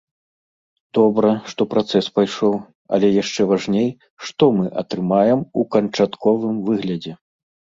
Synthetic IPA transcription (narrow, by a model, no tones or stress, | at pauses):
d̪̥ɔbɾɐʂt̪ɔpɾat̪sɛspajʂɔw | ɐ̰lʲɛjaʂt͡ʂɛvaʐnʲej | ʂt̪ɔmɨʔɐ̰t̪ɾɨmajɛmukɐnt͡ʂat̪kɔvɨmvɨɣlʲɐd͡zʲɛ